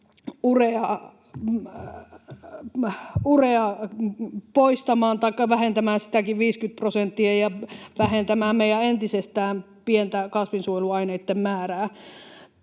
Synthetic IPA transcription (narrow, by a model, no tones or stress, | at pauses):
ureɑ | ureɑ | poist̪ɑmɑːnt̪ɑikːɑʋæhent̪æmæːnsi̥t̪ækiʋʋiːskyt̪̚prosent̪ːiejɑʋæhent̪æmæːmmeijæent̪isest̪æːm | pient̪ækɑsʋinsuojluɑineit̪ːemmæːræː